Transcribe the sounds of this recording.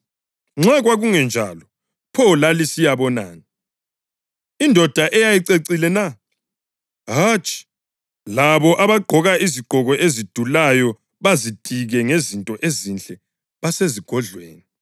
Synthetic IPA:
ŋ͡ǁaɣwaɣuŋɛnd͡ʒʱalɔ | pʰɔlalisijaβɔna̰ːni | indʱɔd̥ʱaʔɛjajiǀeǀilɛna | ɦat͡ʃʼi̥ | laβɔʔaβaɡ͡ǃʱɔɣaʔiziɡ͡ǃ̥ʱɔɣɔʔezid̥ʱulajɔ | βazid̥ʱiɣɛŋezintʼɔʔezint͡ɬʼɛ | βaseziɡ̥ʱɔɮwḛːni

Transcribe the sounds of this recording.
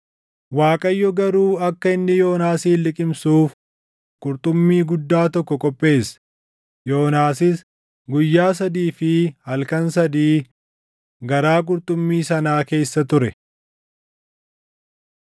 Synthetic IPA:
waːkʼɐjːɔɡɐɾuːɐkːɐɪnːɪjo̞ːnaːsiːlɪkʼɪmsuːf | kʼʊɾt̪ʼʊmːiːɡʊd̪ːaːt̪ɔkːɔkʼɔpʼːe̞ːs | jo̞ːnaːsɪs | ɡʊjːaːs̬ɐd̪iːfɪhɐlkɐnsɐd̪iː | ɡɐɾaːk̬ʼʊɾt̪ʼʊmːiːsɐnaːke̞ːsːɐt̪ʊɾɛ

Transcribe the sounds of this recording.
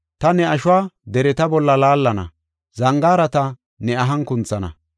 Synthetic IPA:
t̪ɐnɛɐʃʊwaːd̪ɛɾɛt̪ɐbɔlːɐlaːlːɐnɐ̰ | zɐŋɡaːɾɐt̪ɐ | nɛɐɦɐŋkʊnt͡sːɐnɐ̰

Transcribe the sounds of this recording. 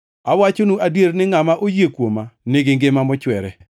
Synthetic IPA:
awat͡ʃonuʔadjeɾnɪŋamaʔojekwomanɪɡɪŋɡɪmamɔt͡ʃwɛɾɛ

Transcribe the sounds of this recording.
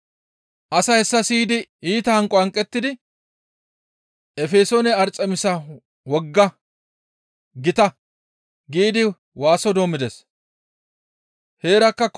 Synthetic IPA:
ʔɐsɐhɛsːɐsiːd̪ɪiːt̪ɐhɐŋkʼɔɐŋkʼːɛt̪ːɪd̪ɪ | ɛfeːsoːnɛɐɾt͡sʼːɛmɪsɐ | wɔɡːɐ | ɡɪt̪ɐ | ɡiːd̪ɪ | waːsɔd̪o̞ːmɪd̪ɛs | he̞ːɾɐkːɐ

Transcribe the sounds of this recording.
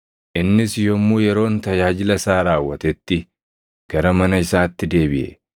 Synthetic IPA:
ʔɪnːɪsjɔmːuːjɛɾo̞ːnt̪ɐjaːd͡ʒɪlɐsaːɾaːwːɐt̪ɛt̪ːɪ | ɡ̥ɐɾɐmɐnɐɪsaːt̪ːɪd̪e̞ːbɪʔɛ̰

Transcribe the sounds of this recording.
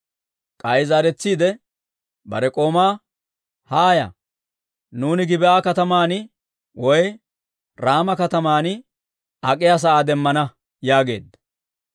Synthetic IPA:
kʼɐjzaːɾɛt͡sːiːd̪ɛ | bɐ̰ɾɛkʼo̞ːmaː | haːjɐ̰ | nuːnɪɡɪbɛʔaːkɐt̪ɐmaːnɪ | wɔj | ɾaːmɐkɐt̪ɐmaːnɪ | ɐkʼɪjaːs̬ɐʔaːd̪ɛmːɐnɐ | jaːɡe̞̰ːd̪ːɐ̥

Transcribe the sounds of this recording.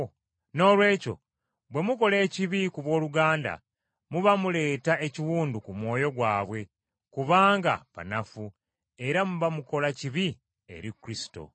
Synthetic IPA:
no̞ːlwe̞ːco̞̰ | βwe̞muko̞le̞ːciβikuβwo̞ːluɡaːnda̰ | muβamule̞ːtae̞ciwuːndukumwo̞ːjo̞ɡwaːβwe̞ | kuβaːŋɡa̰pa̰nafu | e̞ɾamuβamuko̞laciβi | e̞̰ɾikuɾisi̥to̞̰

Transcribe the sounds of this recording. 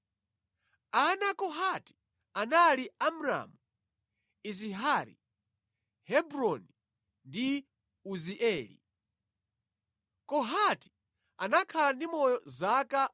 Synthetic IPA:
anakɔɦati̥ | analiamɾa̰mu | is̬iɦaɾḭ | hɛbɾɔni | ndi | uziʔɛːlḭ | kɔɦati̥ | anakʰalandimɔjɔzaka

